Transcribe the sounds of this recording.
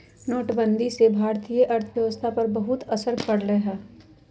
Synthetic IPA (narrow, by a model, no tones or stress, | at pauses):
noːʈbə̃nd̪ʱisebʱaːɾt̪ijəʔɐɾt̪ʰəjɐʋəst̪ʰapɐɾbɐɦʊt̪ɐsəɾkɐɽleɦɛ̃ː